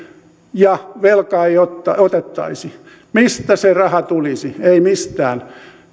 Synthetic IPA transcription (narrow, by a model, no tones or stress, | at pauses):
jɑʋelkɑiot̪ːɑot̪et̪ːɑ̰isi | mist̪æserɑhɑt̪ulisieimist̪æ̰ːn